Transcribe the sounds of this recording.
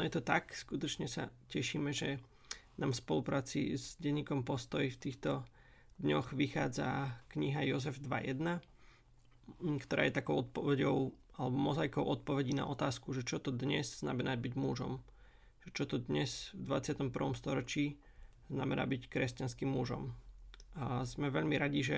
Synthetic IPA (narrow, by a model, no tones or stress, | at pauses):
nɔjɛt̪ɔt̪akskut̪ɔt͡ʃɲɛsa̰cɛʃiːmɛʒɛ | naːmspɔlupɾaːt͡sḭzɟɛɲːiːkɔmpɔst̪ɔjift̪iːxt̪ɔ | d̪ɲɔxʋixaːd͡za̰kɲiɦajɔzɛvd̪ʋa̰jɛ̰d̪na | kt̪ɔɾaːjɛt̪akɔʊɔt̪̚pɔʋɛɟɔʊalɛbɔmɔzajkɔʊʔɔt̪̚pɔʋɛɟiːna̰ʔɔt̪aːskuʒɛt͡ʃɔt̪ɔd̪ɲɛzzna̰mɛnaɟ̚biɟmuʒɔ̰m | ʒ̥ɛt͡ʃɔt̪ɔd̪ɲɛzvd̪ʋat͡sɪat̪ɔmpr̩ʋɔmst̪ɔɾɔt͡ʃiː | znamɛna̰ːbickɾɛscanskimːuʒɔ̰m | zmɛʋɛʎmiɾaɟiʒɛ